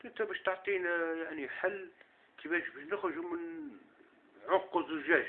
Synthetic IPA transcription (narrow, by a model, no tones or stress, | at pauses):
t̪ət̪æbæʃt̪əʕt̪ˤinjaʕniħalː | kʰəbæʃbæʃnəxəʒumən | ʕoqːəzˤəʒæʒ